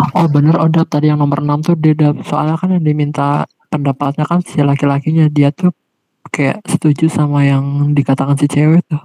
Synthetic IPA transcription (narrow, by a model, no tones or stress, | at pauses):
ʔɔbənəɾodap̚t̪adijaŋnɔmbərənamt̪ʊdedapsoa̰lɲakanjaŋdimint̪a | pəndapat̪̚ɲakanslakilakiɲadiat̪u | kaja̰ʔsə̥t̪ud͡ʒusamajaŋdikat̪akansit͡ʃewɛt̪ʊ